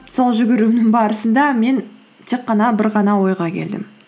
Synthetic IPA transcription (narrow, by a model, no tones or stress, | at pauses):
so̞lˠʒʏɡʲɪɾunɪŋbɑɾəsənd̪ɑme̞n | t̪ʰe̞qːɑnɑbɪɾʁɑnɑwo̞jʁɑkʲʰe̞̰ld̪ɪ̰m